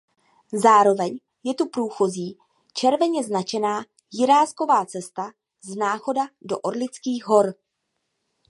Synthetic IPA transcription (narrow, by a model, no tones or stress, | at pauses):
zaːɾo̞vɛɲ | jɛt̪upɾuːxoziː | t͡ʃɛɾvɛɲɛznat͡ʃɛnaː | jɪɾaːsko̞vaːt͡sɛst̪a | znaːxo̞dadoʔoɾlɪt͡skiːɣɦo̞ɾ